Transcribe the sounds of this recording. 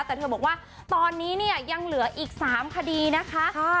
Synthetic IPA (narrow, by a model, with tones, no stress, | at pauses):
t̪ɛː˨˩t̪ʰɤː˧bɔː˨˩k̚waː˥˩ | t̪ɔː˧nːiː˦˥ni˥˩ɐja˧ŋlɯ˨˩˦ɐʔiː˨˩k̚saː˩˦mkʰa˧diː˧na˦˥kʰa˦˥ʔ